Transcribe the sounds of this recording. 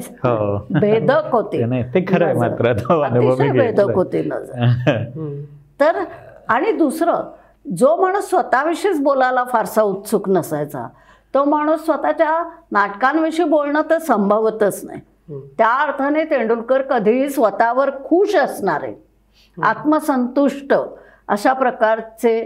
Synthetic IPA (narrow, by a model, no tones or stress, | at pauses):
ɦobʱed̪ʱəkɦot̪iːnat̪ekʰəɾəjmat̪ɾat̪oənuibəbibʱed̪əkɦot̪iːnə̰d͡zə | t̪əɾaɽ̃id̪usɾə | d͡zom̤aɽ̃uːsːʋət̪aʋiʂiːt͡sbolalafaɾsaut̪suknəsajt͡sa̰ | t̪ɔm̤aɽ̃uːsːʋət̪at͡ɕjanaʈkãnʋiʂiːbolɳət̪əɾsəmbʱəʋt̪ət͡sna̰ji | t̪jaːɾt̪ʰənet̪eɳɖulkəɾkəd̪ʱiːsʋət̪aʋəɾkʰuːɕəsɳaɾḛ | at̪məsənt̪uʂʈə | əɕapɾəkaɾt͡se